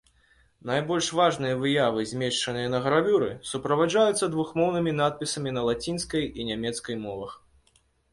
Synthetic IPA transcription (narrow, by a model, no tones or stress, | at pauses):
najbɔlʲʂvaʐnɨjɐvɨjavɨzʲmʲɛʂt͡ʂɐnɨjɐnɐɣɐɾavʲuɾɨsupɾɐvad͡ʐajut̪sːɐd̪vuxmɔwnɨmʲin̪at̪̚pʲisɐmʲinɐlˠat͡sʲinskɐjinʲamʲɛt̪skɐjmɔvɐx